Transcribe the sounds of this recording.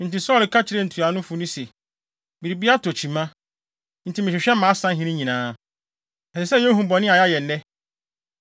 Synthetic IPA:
n̩˨ti˨sɔ˦lɪ˨kʰa˦t͡ɕʰɪ˨˦ɾe˦n̩˨tʰu˨a˨˦nʊ̃˦fʊ˨nʊ̃˦se˨ | bi˨ɾi˨bi˦a˦tʰo˨t͡ɕʰi˨mã˦ | n̩˨tʰi˨mɪ̃˨ɕᶣɪ˨ɕᶣɛ˦mã˨˦sã˦ɦĩ˦nĩ˦ɲĩ˨nãː˨˦ | ɛ˨sɛ˨sɛ˦ɛ̃˦ɦũ˨bɔ˨nɪ̃˦a˨ja˦jɛ˨nː˨˦ɛ̃˦

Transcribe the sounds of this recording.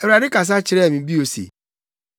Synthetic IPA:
e˨wa˨dɪ˦ka˨s̬a˦t͡ʃɪ˨ɾɛ˦˨mĩ˨˦bi˦o˨sḛ˨

